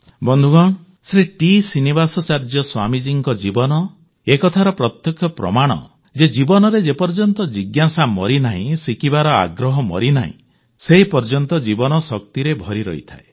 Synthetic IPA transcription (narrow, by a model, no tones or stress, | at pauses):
bɔnd̪ʱuɡɔɳ̃ɔ | sɾiʈisinibasɔt͡ʃaɾd͡ʒɔswamid͡ʒiŋkɔd͡ʒibɔnɔ | ekɔt̪ʰaɾɔpɾɔt̪jɔkʰɔpɾɔ̰maɽ̃ɔ̰ | d͡ʒed͡ʒibɔnɔɾed͡ʒepɔɾd͡ʒɔnt̪ɔd͡ʒiɡjasamɔɾinaɦĩsikibaɾɔa̰ɡɾɔɦɔmɔ̰ɾina̰ɦḭ̃ | seɦipɔɾd͡ʒɔnt̪ɔd͡ʒibɔnɔsɔk̚t̪iɾebʱɔɾiɾɔ̰ɦḭt̪ʰa̰e